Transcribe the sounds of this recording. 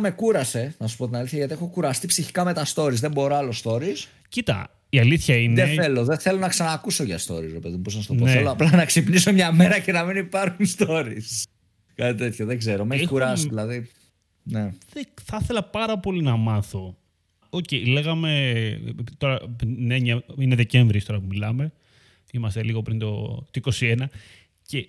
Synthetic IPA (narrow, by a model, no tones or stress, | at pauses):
me̞kuɾɐse̞nɐsu̥po̞t̪inɐliθçɐʝɐt̪iexo̞kuɾɐst̪ipsiçi̥kɐme̞t̪ɐst̪o̞ɾizðe̞mbo̞ɾoɐlost̪o̞ɾis | cit̪ɐ̰ | iɐliθçɐinðeθe̞lo̞ðeθe̞lo̞nɐksɐnɐːkuso̞ʝɐst̪o̞̰ɾisɾepe̞ðimposst̪opoθeloɐplɐnɐksipniso̞mɲɐme̞ɾɐce̞nɐminipɐɾxunst̪o̞ɾis | kɐt̪it̪et̪çoðeɡze̞ɾo̞meuɾɐsðilɐði | neðeθɐθe̞lɐpɐɾɐpo̞linɐmɐθo̞ | ocejle̞ɣɐme̞ | t̪o̞ɾɐneɲɐine̞ðe̞ce̞ɱvɾist̪o̞ɾɐpumilɐme̞ | imɐst̪e̞liɣo̞pɾint̪o̞̰t̪oiko̞sienɐ | ce̞